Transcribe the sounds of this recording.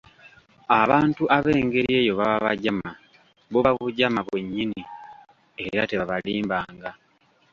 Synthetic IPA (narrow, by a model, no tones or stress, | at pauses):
aβaːntuʔaβe̞ːŋɡe̞ɾie̞ːjoβaβaβaɟama | βoβaβuɟamaβwe̞ɲːini | e̞ɾate̞βaβaliːmbaːŋɡa